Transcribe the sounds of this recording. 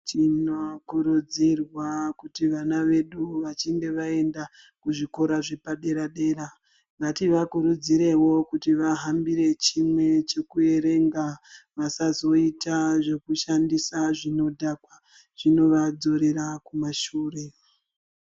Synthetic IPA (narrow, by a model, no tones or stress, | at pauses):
t͡ʃinokuɾud͡zirwakutiʋanaʋe̞ɗuʋat͡ʃiŋɡe̞ʋae̞nda | kuʐiko̞ɾaʐe̞paɗe̞ɾaɗe̞ːɾa | ŋʋatiʋakuɾud͡ziɾe̞wo̞kutiʋaɦambiɾe̞t͡ʃimwe̞t͡ʃe̞kue̞ɾe̞ŋɡaʋasazo̞itaʐe̞kuʃandisaʐino̞dʱakwa | ʐ̥ino̞ʋad͡zo̞ɾe̞ɾakumaʃuːre̞